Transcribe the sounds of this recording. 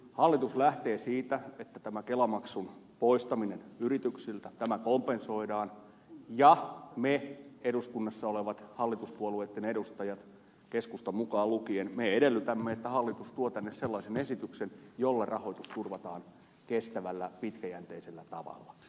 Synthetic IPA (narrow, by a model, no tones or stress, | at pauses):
hɑlːit̪uslæht̪eːsiːt̪æet̪ːæt̪æmækelɑmɑksun | poist̪ɑminenyrit̪yksilt̪æt̪æmækompenso̞idɑːn | jɑmeeduskunːɑsːɑoleʋɑt̪hɑlːit̪uspuoluet̪ːenedust̪ɑjɑt̪ | keskust̪ɑmukɑːlukienmeedelːyt̪æmːeet̪ːæhɑlːit̪ust̪uot̪ænːesselːɑisenesit̪yksenjolːerɑhoit̪ust̪urʋɑt̪ɑːn | kest̪æʋælːæpit̪kæjænt̪eiselːæt̪ɑʋɑ̰lːɑ